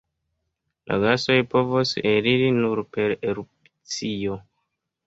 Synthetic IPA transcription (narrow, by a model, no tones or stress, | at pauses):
lʔa̰ɡaso̞jpo̞voseɾiɾinuɾpe̞ɾeɾup | t͡sio̞